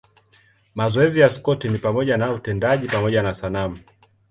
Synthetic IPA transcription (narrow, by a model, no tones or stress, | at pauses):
mazɔɛzijaskɔtinipamɔʄanautɛndaʄipamɔʄanasanamu